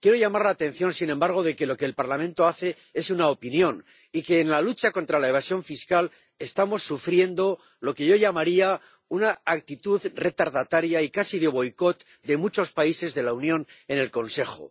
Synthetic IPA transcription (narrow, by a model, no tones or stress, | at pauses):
kje̞ɾo̞ʝamaɾlaːt̪e̞n̟θjõ̞nsinẽ̞mbaɾɣ̞o̞ðe̞ke̞lo̞ke̞ːlpaɾlamẽ̞nt̪o̞aθe̞ | e̞sunaopinjo̞n | ike̞ːnlalut͡ʃako̞nt̪ɾalae̞β̞asjo̞ɱfiskal | e̞st̪amo̞sːufɾje̞nd̪o̞ | lo̞ke̞ʝo̞ʝamaɾia | unaːk̚t̪it̪uðre̞t̪aɾðat̪aɾjaikasiðe̞β̞o̞jko̞t̪ | d̪e̞mut͡ʃo̞spaise̞zðe̞launjõ̞ne̞ne̞lko̞nse̞xo̰